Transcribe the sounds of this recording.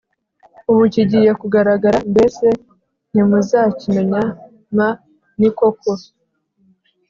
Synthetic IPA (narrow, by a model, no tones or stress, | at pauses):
uβuciɟiːjekuɡaɾaɡaɾambe̞se | n̥imuzaːcimeɲa | ma | nikokʰo